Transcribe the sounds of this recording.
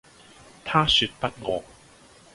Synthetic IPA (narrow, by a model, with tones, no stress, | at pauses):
t̪ʰaː˥sy˧t̚pɐ˥t̚ŋɔ̰ː˨˧